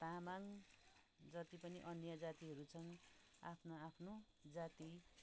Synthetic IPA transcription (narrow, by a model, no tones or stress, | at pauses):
t̪amaŋ | d͡zʌt̪ipʌniʔʌnjʌd͡zat̪iɦʌɾut͡sʰʌna̰pʰnoapʰno | d͡zat̪i